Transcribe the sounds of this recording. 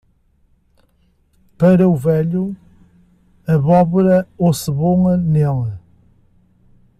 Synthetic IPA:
pɐɾɐuvɛʎu | ɐβɔβuɾɐosɨβõŋɐnɛlˠɐ

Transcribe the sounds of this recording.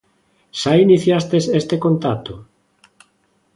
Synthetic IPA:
sainiθjast̪esest̪ekont̪at̪o

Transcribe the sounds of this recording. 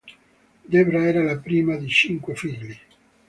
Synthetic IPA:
d̪ebɾaɛːɾalapɾiːmad̪it͡ʃiŋkwefiʎːi

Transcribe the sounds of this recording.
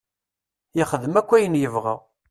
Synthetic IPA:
jɪχəðəmækʷːæjənjəvʁə̰ʁ

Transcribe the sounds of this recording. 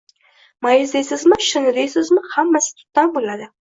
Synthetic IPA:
majɪzd̪ejsɪzmɪʃɪnɪd̪ejsɪzmɪhamːasɪ̥t̪ʰʊ̥t̪ːanbolad̪ɪ

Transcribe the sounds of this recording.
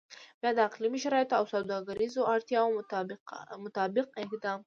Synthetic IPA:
bjɑd̪əaqlimiʃaɾɑjet̪oawsawd̪ɑɡaɾizoʔaɾt̪jɑwo | mʊt̪ɑbɪq̚ɪkd̪ɑm

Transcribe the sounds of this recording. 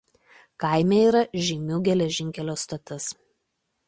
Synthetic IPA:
kɐˑɪmʲeiːɾɐʒʲɛmʲuːɡʲɛlʲɛʒʲɪŋʲkʲɛlʲoːst̪ɐt̪ɐs

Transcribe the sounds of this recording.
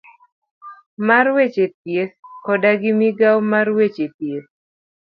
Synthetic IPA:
marwet͡ʃet̚jeskɔdaɡɪmiɡawmarwet͡ʃepjes

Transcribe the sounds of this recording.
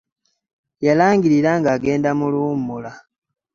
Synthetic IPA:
jalaːŋɡiɾiɾaŋɡaːɡe̞ːndamuluːmula

